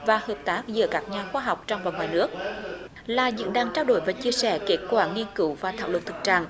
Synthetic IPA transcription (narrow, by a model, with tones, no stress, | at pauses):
vaː˨˩həː˨˩p̚t̪aː˦˥k̚zɨ̰˧˥əkaː˦˥k̚ɲaː˨˩xwaː˧ɦa˨˩wk͡p̚t͡ɕɔ˧wŋ͡mvaː˨˩ŋwaː˨˩jnɨ˦˥ək̚ | laː˨˩zɨ̰˧˨˥nɗaː˧˩ŋt͡ɕaː˧wɗo̰˧˩˦jvaː˨˩t͡ɕi˧əsɛ̰˧˩ke˦˥t̚kwaː˧˩ŋi˧ənkɨ˧˦wvaː˨˩t̪ʰa̰ː˧˨wlə˨˩n̚t̪ʰɨ˨˩k̚t͡ɕa̰ː˧˨ŋ